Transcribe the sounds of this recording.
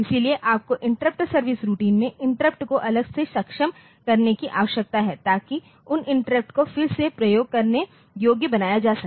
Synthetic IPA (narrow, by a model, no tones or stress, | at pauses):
ɪsilieʔaːp̚koʔɪ̃ɳʈɾəp̚ʈsɐɾʋɪsɾuʈiːnmẽʔɪ̃ɳʈɾəp̚ʈkoʔɐləɡsesɐkʃəm | kɐɾnekiʔa̰ːʋəʃjɐk̚t̪aɦɛt̪aːki | ʊnɪ̃ɳʈəɾəp̚ʈkofɪɾsepɾɐjoːɡ̚kɐɾne | joːɡjəbɐnaːjad͡ʒaːsɐk̚t̪ː